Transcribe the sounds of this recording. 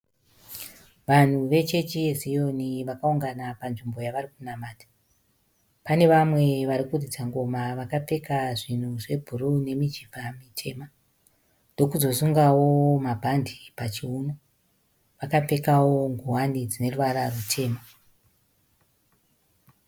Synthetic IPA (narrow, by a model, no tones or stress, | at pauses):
ʋan̤uʋe̞t͡ʃe̞t͡ʃiezijo̞niʋakauŋɡanapanʐimbo̞jaʋarikunamaːtʰḁ | pane̞ʋamwe̞ʋaɾikurid͡zaŋɡo̞maʋakap͡fe̞kaʐin̤uʐe̞bʱuɾune̞mid͡ʒivʱamitʰe̞̰ːma | ndo̞kuzo̞suŋɡawo̞mabʱandipat͡ʃiuno | ʋakap͡fe̞kawo̞ŋɡuɦwanid͡zine̞ruʋaɾarutʰe̞ːma